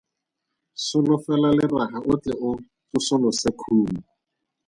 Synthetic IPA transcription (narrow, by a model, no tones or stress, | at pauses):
sʊlʊfɛlalɪrahaʊt͡ɬɛʊ | kʊsʊlʊsɪkʰuːm̩